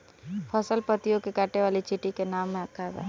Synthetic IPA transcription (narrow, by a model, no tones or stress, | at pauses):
pʰəsəlpət̪ijõkekaːʈeʋaːlit͡ʃɪʈikenaːmːẽɐkʰːad̪a̰ː